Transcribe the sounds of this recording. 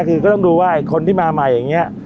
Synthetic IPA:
kʰɯː˧kɔː˥˩t̪ɔ˥˩ŋduː˧waː˥˩ʔa˨˩kʰo˧nt̪ʰiː˥˩maː˧ma˧˩jaː˨˩ŋːi˦˥ɐʔ

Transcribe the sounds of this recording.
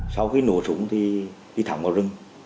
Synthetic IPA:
sa˧wxi˧nṵ˨˧˨əsṵ˧˦əŋt̪ʰi˨˩ɗi˧t̪ʰa̰˨˧˩ŋ͡mvaː˨˧˩zɨ˧ŋ

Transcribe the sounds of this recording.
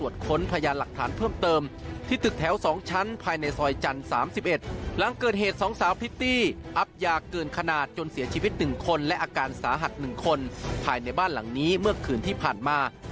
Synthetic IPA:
u˨˩ət̪̚kʰo˧˥npʰa˧jaː˧nla˨˩k̚t̪ʰaː˩˦npʰɤː˥˩mt̪ɤː˧mt̪ʰiː˥˩t̪ʰɯ˨˩k̚t̪ʰɛː˩˦wsɔː˩˦ŋt͡ɕʰa˦˥npʰaː˧jna˧jsɔː˧jt͡ɕa˧nsa̰ː˩˦msi˨˩p̚ʔe˨˩t̪̚la˨˦ŋkɤː˨˩t̪̚ɦeː˨˩t̪̚sɔː˩˦ŋsaː˨˦wpʰi˦˥t̪iː˥˩ʔa˦˥p̚jaː˧˩kːɤː˨˩nkʰa˧naː˨˩t̪̚t͡ɕo˧nsi˩˦ɐt͡ɕʰiː˧wi˦˥t̪̚nɯ˨˩ŋkʰo˧nlɛ˦˥ʔaː˧kaː˧nsaː˩˦ɦa˨˩t̪̚nɯ˨˩ŋkʰo˧npʰaː˧jna˧jbaː˥˩nla˩˦ŋniː˦˥mɯ˥˩ɐkʰɯː˨˩nt̪ʰiː˥˩pʰaː˨˩nmaː˧

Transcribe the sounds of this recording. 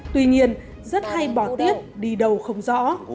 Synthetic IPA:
t̪wi˧ɲi˧ən | zə˦˥t̚ha˧jɓɔ˧˩t̪i˦˥əp̚ɗi˧ɗə˨˩wxə˧wŋ͡mzɔ̰˧˥

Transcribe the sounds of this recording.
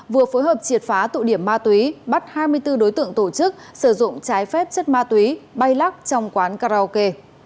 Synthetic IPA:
vɨ˨˩əfo˨˦jɦəː˨˩p̚t͡ɕi˨˩ət̚faː˨˦t̪ṵ˧˨ɗi˧˩əmːaː˧t̪wi˨˦ɓa˦˥t̚haː˧jmɨ˧əjt̪ɨ˧ɗo˨˦jt̪ɨ̰˧˨əŋt̪o˧˩t͡ɕɨ˦˥k̚sɨ˧˩zʊ̰˧˨ŋ͡mt͡ɕaː˨˦jfɛ˦˥p̚t͡ɕə˦˥t̚maː˧t̪wi˨˦ɓa˧jla˦˥k̚t͡ɕɔ˧wŋ͡mkwaː˨˦nkaː˧ɾaː˧o˧ke˧

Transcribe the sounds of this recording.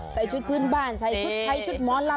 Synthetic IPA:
sa˧˩jt͡ɕu˦˥t̚kɨ˧ənɓaː˧˩nsa˧˩jt͡ɕu˦˥t̚t̪ʰa˧˦jt͡ɕu˦˥t̚mɔ˨˧˦nla˧

